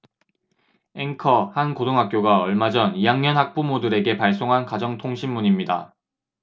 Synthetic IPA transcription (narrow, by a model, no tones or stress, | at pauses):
e̞ŋkʰʌhankodoŋɦak͈̚joɡaʌɭmad͡ʑʌnijaŋɲʌnɦak̚p͈umodɯɾe̞ɡe̞paɭs͈oŋɦankad͡ʑʌŋtʰoŋɕʰimːuɲimɲida̰